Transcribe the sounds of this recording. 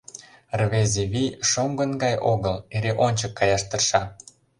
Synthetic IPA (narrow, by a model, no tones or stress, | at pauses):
rβezʲeβijʃomɡə̆nɡɑjoɣɤleɾeʔonʲt͡ɕəkːɑjɑʃt̪ərʃɑ